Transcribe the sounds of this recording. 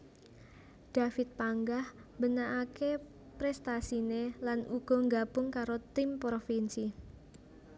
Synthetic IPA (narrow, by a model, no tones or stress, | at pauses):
d̥afɪt̪̚paŋɡahmbənaʔake | pɾɛst̪asinelanuɡ̥ɔ̤ŋɡab̥ʊŋkaɾot̪ɪmpɾofinsi